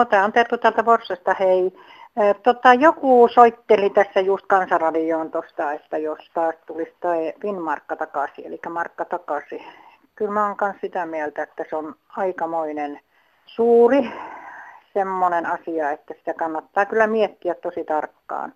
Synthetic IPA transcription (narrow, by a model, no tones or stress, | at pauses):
not̪æːont̪ert̪ut̪æːlt̪æporsːɑst̪ɑhei | t̪ot̪ɑjokuːˑsoit̪ːelit̪æsːæjust̪kɑnsɑrɑdioːnt̪ost̪ɑet̪ːæjost̪ɑːst̪ulist̪oifinmɑrkːɑt̪ɑkɑsiḛlikːæmɑrkːɑt̪ɑkɑsi | kylmæoŋkɑnssit̪æmiælt̪æet̪ːæsonɑikɑmoinen | suːri | semːonenɑsiɑet̪ːæsi̥t̪ækɑnːɑt̪ːɑːkylːæmiɛt̪ːiæt̪t̪osit̪ɑrkːɑ̰ːn